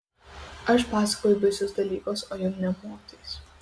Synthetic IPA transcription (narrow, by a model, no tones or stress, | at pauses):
ɐʃpaːsɐ̥kɔjʊvʲɪsɔsd̪ɐlʲiːkosɔjɔmnʲɛmoːt̪iːs